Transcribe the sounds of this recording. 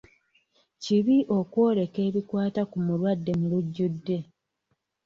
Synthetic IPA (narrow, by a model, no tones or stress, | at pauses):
ciβiʔo̞kwo̞ːɾe̞ke̞ːβikwaːtakumulwadːe̞muluɟːudːe̞